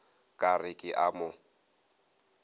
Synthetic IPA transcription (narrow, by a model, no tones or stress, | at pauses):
kʼarɪkʼɪʔamʊ